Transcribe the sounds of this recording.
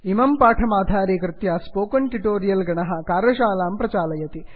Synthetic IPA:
imɐmpaːʈʰɐmaːd̪ʱaːɾikɾɨt̪jaːspoːkɐɳʈiʈoːɾijɐlɡɐɳɐɦɐ̆kaːɾɐʃaːlaːmpɾɐt͡ʃaːlɐjɐt̪i

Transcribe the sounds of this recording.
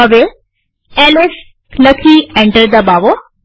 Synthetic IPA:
əʋe | eːles | lɐkʰiɛ̃ɳʈəɾd̪ɐbaːʋo

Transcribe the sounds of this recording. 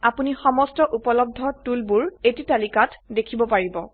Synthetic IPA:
apunixɔmɔstɔʔupɔlɔb̚dʱɔtulbuɹetitalikatdekʰibɔpaɹibɔ

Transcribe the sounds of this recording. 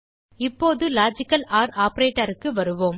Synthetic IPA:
ɪpːoːðɯlaːd͡ʒɪkːɐlaːɾaːpɐɾeːʈːɐɾɯkːɯʋɐɾɯʋoːm

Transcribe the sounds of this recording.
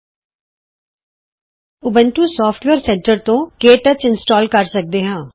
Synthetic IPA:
ʊbəɳʈuːsɔːpʰʈʋeːɾsɛ̃ɳʈəɾt̪õːkeːʈət͡ʃɪnsʈɔːlkəɾsək̚d̪eːɦãː

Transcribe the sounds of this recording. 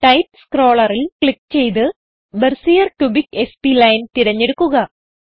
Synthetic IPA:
ʈɐjpskro̞ːɭɐrilkɭikːt͡ɕe̞jt̪ɨ | bersijɐrkjubike̞spilɐjnt̪iɾɐɲːeɽukːuɣɐ

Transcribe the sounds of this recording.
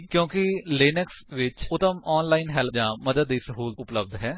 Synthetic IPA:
kjõːkɪleːnəksʋɪt͡ʃʊt̪əmɔːnlaːɪnɦɛld͡ʒãːməd̪əd̪ːiːsəɦuːlʊpləb̚d̪ɦɛː

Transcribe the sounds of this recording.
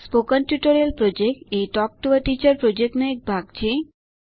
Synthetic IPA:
spokənpjuʈoɾiəlpɾod͡ʒekʈeʈɔk̚ʈuʋəʈit͡ʃəɾpɾod͡ʒek̚ʈnoek̚bʱaɡt͡ʃʰe

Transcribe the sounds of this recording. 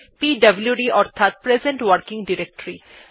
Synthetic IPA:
piːɖɐbljuɖiɔːɾt̪ʰat̪̚pɾezə̃ɳʈʋəɾkɪ̃ŋɡɖɪɾek̚ʈəɾi

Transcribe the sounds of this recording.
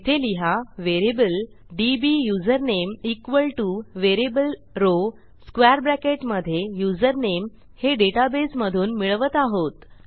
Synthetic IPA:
it̪ʰeliɦaʋeɾebəl | ɖibijud͡zəɾnemikʋəlʈuʋeɾibəlɾo | skʋɛɾbɾækeʈməd̪ʱːjejud͡zəɾnem | heɖeʈabesməd̪ʱuːnmiɭʋət̪aɦot̪

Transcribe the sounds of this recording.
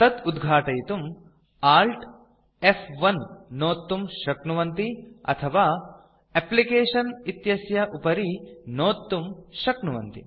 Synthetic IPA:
t̪ɐd̪ud̪ɡʱaːʈɐjt̪um | aːlʈ | efʋɐnːoːt̪ːumʃɐknuʋɐnt̪iɐ̰t̪ʰɐʋaː | eplikeːʂɐnit̪jɐsjɐʔupɐɾinoːt̪ːumʃɐknuʋɐ̰nt̪ḭ

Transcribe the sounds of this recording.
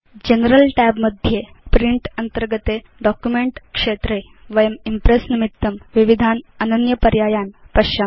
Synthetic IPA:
d͡ʑenəɾəlʈæbməd̪ʱje | pɾiɳʈɐnt̪əɾɡət̪e | ɖɔkjumeɳʈkʂet̪ɾe | ʋɐjəmimpɾesnimit̪ːɐmʋiʋid̪ʱanɐnənjəpɐɾjajanpɐɕa

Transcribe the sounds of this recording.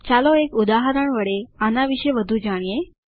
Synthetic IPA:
t͡ɕaloekud̪aɦaɾəɳʋəɽeanaʋiɕeʋəd̪ʱuːd͡ʑaɽ̃ije

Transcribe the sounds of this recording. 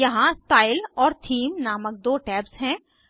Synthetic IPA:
jɐɦãst̪aːɪlɔːɾt̪ʰiːmnaːmək̚d̪oːʈɛːpsɦɛ̃ː

